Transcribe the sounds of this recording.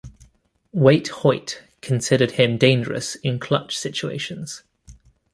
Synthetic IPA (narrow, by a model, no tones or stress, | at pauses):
weɪʔhɔɪʔ | kʰə̃nsɪɾəd̥̚ɪ̃mdẽɪ̃nd͡ʒəɹə̰sɪ̃nkʰl̥ʌ̰t͡ʃsɪt͡ʃuḛɪʃə̃nz̥